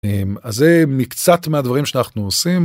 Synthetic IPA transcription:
emazemikt͡sat̪mead̪vaʁimʃeanaχnuosim

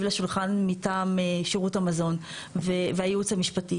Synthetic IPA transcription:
vlaʃulχanmitaːmeʃiʁuthamazo̞n | veveajeut͡shamiʃpati

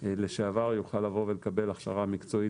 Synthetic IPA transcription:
leʃeavaʁjuχalːavo̞velekabe̞laχʃa̰ʁamikt͡so̞i

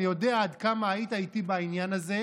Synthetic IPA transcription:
ijo̞deaːdkamaːitaitibainjanaze̞

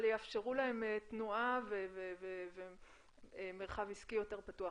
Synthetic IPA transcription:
ljafʃeʁulahemetnuaveveveve | emeʁχaviskijo̞te̞ʁpatua

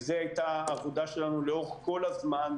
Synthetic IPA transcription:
zeajt̪aːvod̪aʃelanuleoχko̞lazman

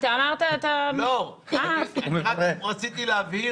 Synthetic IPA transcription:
t̪aamaʁt̪at̪alo | aumevʁeʁat͡sit̪ileavi

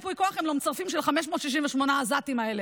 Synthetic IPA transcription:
pujkoaχemlomt͡saʁfimʃelχameʃ̬mo̞ːt̪ʃiʃ̬inveʃmo̞nazatimaele

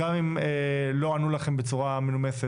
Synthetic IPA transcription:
amimelo̞anulaχe̞mbet͡suʁamelumese

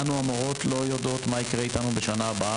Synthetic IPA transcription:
anuamoʁo̞tlo̞jod̪ot̪maikʁeitanube̞ʃanaːba

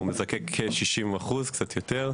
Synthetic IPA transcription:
umezakekʰːeʃiʃimaχuzktt͡sat̪jot̪eʁ

